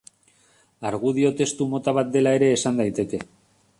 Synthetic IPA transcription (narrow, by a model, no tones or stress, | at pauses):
aɾɣ̞uð̞io̞t̪e̞st̪umo̞t̪aβ̞at̪̚d̪e̞lae̞ɾe̞ːsand̪ajt̪e̞ke̞